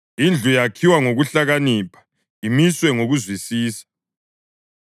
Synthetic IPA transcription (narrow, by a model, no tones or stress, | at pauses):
ind͡ɮʱujakʰiwaŋoɣuɬaɣaniːpʰḁ | imiswɛŋoɣuzwisiːsḁ